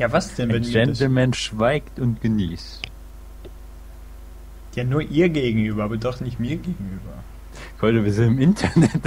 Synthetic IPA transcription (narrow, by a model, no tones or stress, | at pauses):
jaːvasd̥ɛnvɛnd͡ʒɛntl̩mɛnʃv̥aɪktʊntɡ̥əniːst | jaːnuːɐʔiːɐɡeːɡŋ̩ʔyːbɐʔaːbɐdɔχnɪçtmiːɐɡeːɡŋ̩ʔyːbɐ | fɔəviːɐzɪntɪmɪntʰɐnɛt